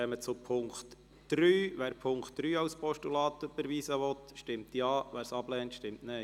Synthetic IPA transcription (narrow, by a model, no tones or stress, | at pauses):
ɛmət͡sʊpʰʊŋkt | d̥ɾyːʋæːɾpʰʊŋkχt̪ːɾyːɑwspɔʃtulɑːt̪əbəɾʋiːsəʋɔt̪ʃtɪmt̪jɑːʋæːɾsɑblɛːntʃtɪmtnɛɪ